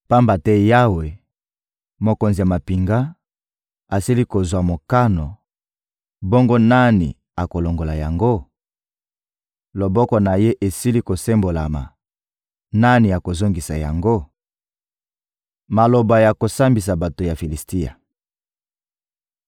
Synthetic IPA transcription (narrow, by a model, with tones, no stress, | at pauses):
pa˦mba˨tɛ˦ja˦we˨ | mo˨ko˨nzi˨ja˨ma˨pi˨ŋɡa˦ | a˨si˦li˦ko˨zwa˨mo˨ka˦no˨ | bɔ˦ŋɡo˦na˦nḭ˨ | a˨ko˨lo˨ŋɡo˨la˨ja˨ŋɡo˦ | lo˨bɔ˦kɔ˨na˨je˦ʔe˨si˦li˦ko˨se˦mbo˨la̰˨ma̰˨ | na˦ni˨ja˨ko˨zo˦ŋɡi˨sa˨ja̰˨ŋɡo˦ | ma˨lo˨ba˨ja˨ko˨sa˦mbi˨s̬a˨ba˨to˨ja˨fi˨li˨sti˦ja̰˨